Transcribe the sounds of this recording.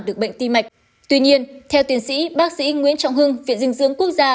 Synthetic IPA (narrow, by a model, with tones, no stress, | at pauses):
ɗɨ˨˩ək̚ɓə̰˧˨ŋ̟t̪i˧ma˨˩jk̟̚ | t̪wi˧ɲi˧ənt̪ʰɛ˧wt̪i˧˩ənsḭ˧˥ɓaː˦˥k̚sḭ˧˥ŋwḭ˧˥ənt͡ɕa̰˧˨wŋ͡mɦɨ˧ŋvḭ˧˨ənzɨ˧ŋzɨ̰˧˥əŋku˦˥ək̚zaː˧